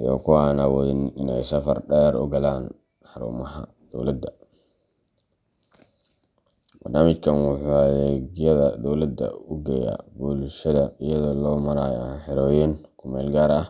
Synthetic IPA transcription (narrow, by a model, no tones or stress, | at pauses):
jɔ̰ːkʰʊaːnawɔːðɪnɪnɛjsɐfɐrɖɛːɾɔ̰ɡɐlaːn | ħɑɾṵːmɐɦɐ̰ | d̪̥ɔwlɐd̪ːɐ | b̥ɐrnaːmɪt͡ʃkʰɐnwʊħuːɐðɛːɡjɐðɐd̪ɔwlɐd̪ːɐ̰ʊɡɛːja̰ːbuːlʃɐðɐɪjɐðɔlɔːmɐɾaːjħɛɾɔːjɛːnkʰʊmɛːlɡaːɾɐh